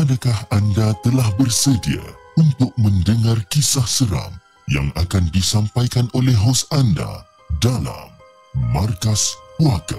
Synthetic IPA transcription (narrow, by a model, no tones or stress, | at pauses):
adakahandat̪əlahbərsədia̰unt̪ʊk̚məndəŋarkisahsəɾa̰m | ja̰ŋakandisampajkanolɛhɦasanda̰ | dala̰mː | arkaspuaka̰